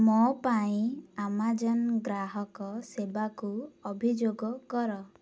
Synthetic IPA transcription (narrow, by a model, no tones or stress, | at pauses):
mɔpaĩamad͡ʒɔnɡɾaɦɔkɔsebakuɔbʱid͡ʒoɡɔkɔɾɔ